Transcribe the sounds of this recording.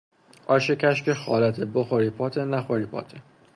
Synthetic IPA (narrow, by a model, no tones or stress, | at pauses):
ʔɒːʃecʰʲæʃkexɒ̰ːlæt̪ʰeboxoɾiːpʰɒːt̪ʰenæxoɾiːpʰɒ̰ːt̪ʰe